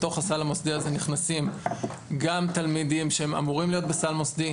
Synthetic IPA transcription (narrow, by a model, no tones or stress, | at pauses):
to̞χasalamosdiaze̞niχnasimɡamt̪almidimʃehema̰muʁimlijo̞t̪̚besalmosd̪i